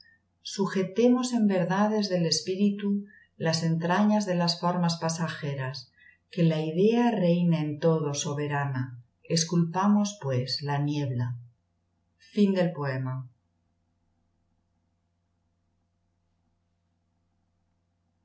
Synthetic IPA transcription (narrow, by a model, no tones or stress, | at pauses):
suxe̞t̪e̞mo̞se̞mbe̞ɾðað̞e̞zðe̞le̞spiɾit̪u | lase̞nt̪ɾaɲazðe̞lasfoɾmaspasaxe̞ɾas | ke̞laiðe̞are̞jnaent̪o̞ð̞o̞soβe̞ɾana | eskulpamo̞spwe̞slanjeβla | find̪e̞lpo̞e̞ma